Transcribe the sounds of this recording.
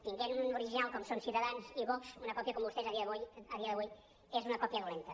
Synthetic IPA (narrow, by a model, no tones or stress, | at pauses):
t̪iŋɡɛnunuɾiʒinalˠkɔmsonsit̪əðanziβɔksunɐkɔpjɐkɔmbust̪ezɐðiəðβujəðiɐðəβuj | ezunɐkɔpjəðulent̪ə